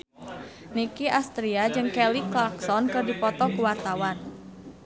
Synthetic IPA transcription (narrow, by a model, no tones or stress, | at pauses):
nikiʔast̪ɾiad͡ʒɨŋkɛliklɔksɔnkɨrdipɔt̪ɔkuwart̪awan